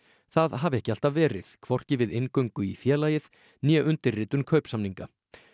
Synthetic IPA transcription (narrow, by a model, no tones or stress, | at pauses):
θaðɦavɛhcɪal̥t̪avvɛːɾɪðkʰvɔr̥cɪvɪðɪnkœɥŋkʏifjɛːlaːjɪð | njɛʔʏnt̪ɪrrɪːt̪ʏnkʰœɥpsamniŋka